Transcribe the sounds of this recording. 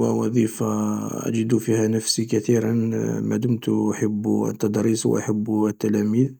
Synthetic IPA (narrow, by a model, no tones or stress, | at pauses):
wəwɑðˤifaʔæ̰d͡ʒəd̪ufihænəfsikæt̪iɾənmæd̪ʊmt̪ʔaħabːə̰t̪ːɑd̪ɾiswʔa̰ħəbːət̪ːælæmið